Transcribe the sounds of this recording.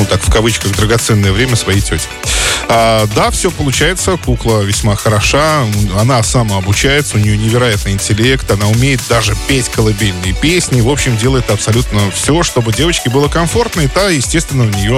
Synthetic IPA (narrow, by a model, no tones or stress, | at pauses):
nut̪akfkɐvɨt͡ɕkəɣd̪ɾəɡɐt̪sɛnːəjəvɾʲemʲəsvɐjijtʲotʲɪ̥ad̪afsʲopəlˠʊt͡ɕæjɪt̪səkuklˠəvʲɪsʲmaxəɾɐʂaɐnasamaɐbʊt͡ɕæjɪt̪səʊnʲɪjonʲɪvʲɪɾɐjat̪nɨɪnʲtʲɪlʲe̞kt̪ɐnaʊmʲejɪt̪̚d̪aʐɨpʲetʲkəlˠɐbʲilʲnɨjəpʲesʲnʲɪvo̞pɕːɪmdʲe̞lˠəjɪt̪ɐpsɐlʲut̪nəfsʲo̞ʂt̪o̞bɨdʲe̞vət͡ɕkʲɪbɨlˠəkɐɱfo̞rt̪nət̪ajɪsʲtʲest̪vʲɪnːəʊnʲɪjo̞